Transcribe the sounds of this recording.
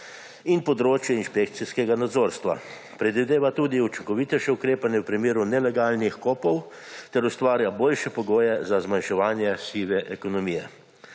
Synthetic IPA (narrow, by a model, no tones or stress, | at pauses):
inpɔd̪ɾoːt͡ʃjɛinʃpek̚t̪siskɛɡanad̪zoːɾst̪ʋa̰ | pɾɛd̪ʋid̪eːʋat̪uːd̪iut͡ʃiŋkɔʋit̪ɛʃɛukɾeːpanjɛwpɾimeːɾunɛlɛɡaːlnixkoːpɔw | t̪ɛɾust̪ʋaːɾjaboːlʃɛpɔɡoːjɛzazmanʃɛʋaːnjɛsiʋɛʔɛkɔnɔmijɛ